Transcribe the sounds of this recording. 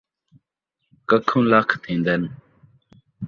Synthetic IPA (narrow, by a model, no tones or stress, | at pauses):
kəkʰũːlakʰt̪ʰĩːnd̪ən